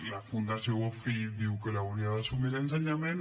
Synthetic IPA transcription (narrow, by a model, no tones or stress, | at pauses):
lafund̪asowofid̪iwkelauniaðesumilens̬eɲamɛn